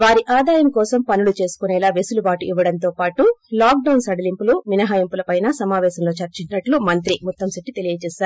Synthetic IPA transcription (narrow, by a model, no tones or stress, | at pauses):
ʋaːɾiʔaːd̪aːjɐmkɔːsɐmpɐnulut͡ʃe̞ːsu̥kunɛːlaːʋesulupaːʈuʔiʋːɐɽɐnt̪o̞ːpaːʈulaːk̚ɖɐwnsɐɽɐlimpuluʋinɐɦaːjimpulɐpɐjnɐsɐmaːʋɛːsɐmlo̞ːt͡ʃɐɾt͡ʃiɲt͡ʃɐnɐʈlumɐnt̪ɾimut̪ːɐmsiʈːit̪e̞lijɐt͡ʃɛːʃaːɾu